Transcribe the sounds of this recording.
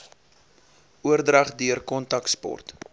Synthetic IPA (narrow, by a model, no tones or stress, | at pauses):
uərdrɐχdyərkɔntɐkspɔ̰rt